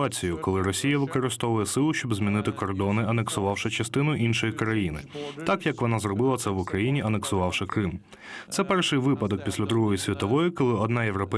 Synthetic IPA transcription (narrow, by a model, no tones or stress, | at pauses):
at͡sʲijʊkɔlˠɪɾɔsʲijɐʋɪkɔɾɪst̪ɔʋʊjɛsɪlˠʊʃʲt͡ʃɔbzʲmʲinɪt̪ɪkɔrd̪ɔnɪɐneksʊʋɑwʃɪt͡ʃɐst̪ɪnʊʔinʃɔjikɾɐjinɪ̰t̪ɑkjɐkʋɔnɑzrɔbɪlˠɐt̪sɛʋʊkɾɐjinʲiɐneksʊʋɑwʃɪkɾɪm | t̪sɛpɛrʃɪjʋɪpɐd̪ɔk̚pʲisʲlʲɐd̪ɾuɦɔjisʲʋʲit̪ɔʋɔjikɔlˠɪɔd̪nɑjeʋɾɔpɛ